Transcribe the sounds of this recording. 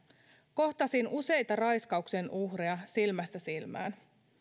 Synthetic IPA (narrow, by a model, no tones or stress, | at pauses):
ko̞ht̪ɑsinuse̞jt̪ɑrɑjskɑukse̞nʔuhriɑsilmæst̪æsilmæ̰ːn